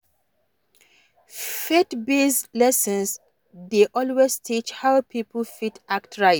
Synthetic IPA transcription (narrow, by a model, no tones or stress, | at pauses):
fetbislɛsə̃ns | deʔɔlwestʰit͡ʃhaʊpʰipʰəl̩fitʰaktʰɹaɪ